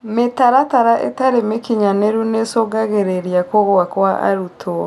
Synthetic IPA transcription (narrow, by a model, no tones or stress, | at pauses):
metaɾataɾaʔḛtaɾemekiɲaneɾunesoɡaɣeɾeɾiakoɣoakwaʔa̰ɾutʰo